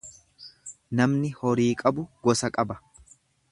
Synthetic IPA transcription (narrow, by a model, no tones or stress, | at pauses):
nɐmnɪhɔɾiːkʼɐbʊɡɔsɐkʼɐbɐ̥